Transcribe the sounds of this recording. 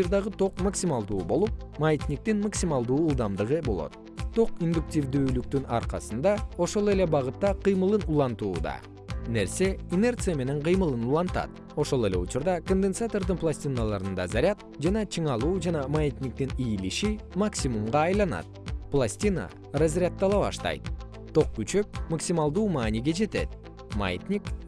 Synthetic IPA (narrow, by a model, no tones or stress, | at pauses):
ɨɾd̪ɑʁɯt̪o̞qmaksʲimɑlˠd̪uːbo̞lˠup̚majet̪ʲnʲik̚t̪inmaksʲimɑlˠd̪uːlˠd̪ɑmd̪ɯʁɯbo̞lˠo̞̰t̪̚ | t̪ːo̞qind̪uk̚tʲivd̪yːlyk̚t̪ynɑ̰ɾqɑsɯnd̪ɑo̞ʃo̞lˠe̞le̞bɑʁɯt̪ːɑqɨjmɯlˠɯnulˠɑnt̪uːd̪ɑ̰ | ne̞ɾse̞ine̞rt̪sɨjame̞ne̞ɴqɨjmɯlˠɯnulˠɑnt̪ɑ̰t̪ | o̞ʃo̞lˠe̞le̞ut͡ʃuɾd̪ɑkond̪ensat̪o̞rd̪ɯnplˠasʲtʲinalˠɑɾɯnd̪ɑzaɾʲat̪̚ | d͡ʒɑnɑt͡ʃʰɯɴɑlˠuːd͡ʒɑnɑmajit̪ʲnʲik̚t̪inijliʃimaksʲimumʁɑːjlˠɑnɑ̰t̪̚plˠasʲtʲina̰ | razrʲat̪ːɑlˠɑβɑ̰ʃt̪ɑ̰jt̪ | t̪ːo̞q̚kyt͡ʃø̞k̚maksʲimɑlˠd̪uːmɑːnʲiɡe̞d͡ʒe̞t̪e̞̰t̪̚ | ma̰jit̪ʲnʲik